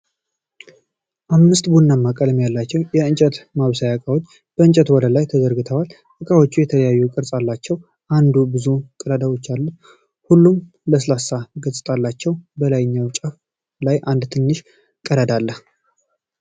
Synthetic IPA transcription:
ʔamːɨst̪bunːamːakʼələmjalːat͡ʃːɛwjɛɨnt͡ʃʼət̪maβsajakʼawo̞t͡ʃː | b̥əɨnt͡ʃʼət̪wɔləlajt̪ʰəzəɾɡɨt̪ʰəwal | hɨkʼawot͡ʃːujɛt̪ʰələjajːukʼɨɾsʼalːat͡ʃːɛw | ʔand̪ubɨzukʼəlad̪awo̞t͡ʃːalːut̪ | hulːum | ləslasaɡəsʼɨt̪ʼalːat͡ʃːɛwbəlajɪɲːawt͡ʃʼaf | lajʔand̪t̪ʰɨnːɨʃ | kʼəɾad̪alːəh

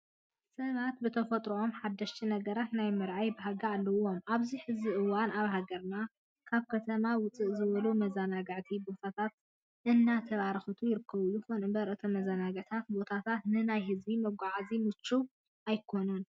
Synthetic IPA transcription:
sɐβat̪̚bɨt̪ʰɐfɐt̪ʼɾuʔomħad̪ːɐʃt̪ʰinɐɡɐɾat̪najmɨɾʕajbɨɦaɡaalːɐwomaβziħɨzbiʔɨwanaβɦaɡɐɾna | kʰaβkʰɐt̪ʰɐmawʊt͡sʼɨʔzɨβɐlumɐzanaɡɨʕt̪ʰibo̞t̪ʰat̪ʰat̪̚ | ʔɨnːat̪ʰɐβaɾxɐt̪ʰujɪɾɨkʰːɐβujuxonɨbɐɾʔɨt̪ʰɐmɐzanaɡɨʕt̪ʰat̪̚bo̞t̪ʰat̪ʰat̪nɨnajhɨzbimɐɡʷaʕazimɨt͡ʃːu | ʔajkʰo̞nun

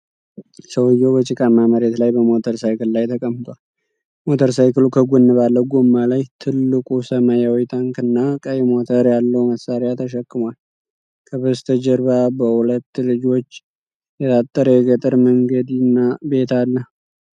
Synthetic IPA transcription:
səwɨjːɛwbət͡ʃʼɪkʼamːaməɾet̪lajbəmo̞t̪ʰəɾsajkɨllajt̪ʰəkʼəmːɨt̪ʼwal | mo̞t̪ʰəɾsajkɨlukʰəɡunːɨβalːəɡomːalajt̪ʰɨlːɨkʼusəmajawɔjt̪ʰaŋkɨnːakʼəjɛmot̪ʰəɾjalːəwməsːaɾɪjat̪ʰəʃ̬əkʼːɨmwal | kʰəbɨst̪ʰəd͡ʒəɾbabəulət̪ːlɨd͡ʒo̞t͡ʃː | jɛt̪ʰat̪ʼːəɾəjɛɡət̪ʼɨɾməŋɡəd̪nːabe̞t̪ʰalːəh

